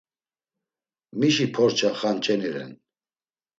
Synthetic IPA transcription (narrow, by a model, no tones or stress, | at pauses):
miʃipʰɔɾt͡ʃʰaχant͡ʃʼɛnɛɾɛ̰n